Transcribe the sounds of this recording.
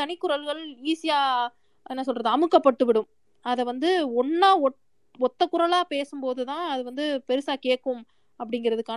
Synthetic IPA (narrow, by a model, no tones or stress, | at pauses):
ɐnɪkːʊɾɐlɣɐɭiːsɪjaː | ɛnːɐs̬ɔlrɐðɯɐmɯkːɐpːɐʈːɯʋɪɽɯm | ɐðɛʋɐnd̪ɯɔnːaːɔʈ | ɔt̪ːɐkʊɾɐlaːpeːsɯmpoːðɯt̪ãːɐðɯʋɐnd̪ɯpɛɾɯsaːkeːʈkːɯm | ɐpːɐɽɪŋɡɪɾɐðɯkːaː